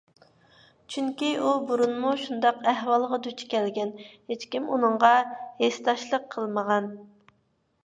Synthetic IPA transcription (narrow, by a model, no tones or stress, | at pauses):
t͡ʃʰyŋkʲiubuɾunmuʃund̪ɑqæhwɑlˠʁɑd̪yt͡ʃʰkʲʰɛlɡʲɛnhet͡ʃkʲimunɨɴʁɑhest̪ɑʃlˠəqʰəlˠməʁɑn